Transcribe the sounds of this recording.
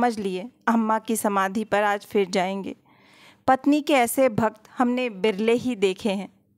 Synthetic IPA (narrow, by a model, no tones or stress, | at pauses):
məd͡ʒʱlieɐmːakisɐmaːd̪ʱipɐɾaːd͡ʒfɪɾd͡ʒaːẽːŋɡḛː | pɐt̪nikeɛːsebʱɐk̚t̪hɐmnebɪɾleɦid̪eːkʰeɦɛ̃ː